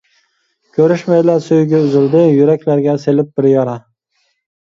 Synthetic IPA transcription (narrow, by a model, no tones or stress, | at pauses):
kʲʰɵɾɪʃmajlaɾsʊjɡʲaʊzɪld̪ɪjʊɾakʲlaɾɡʲase̞lɪp̚bɪɾjɒɾa